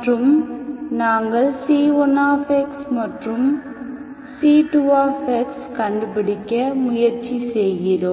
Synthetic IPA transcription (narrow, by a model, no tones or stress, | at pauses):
ʈrɯmnaːŋɡɐɭsiːɔnaːfeksmɐʈrɯm | siːʈuʋaːfekskɐɳɖɯpɪɽɪkʲːɐmʊjɐɾt͡ʃisɛjːɪɾoː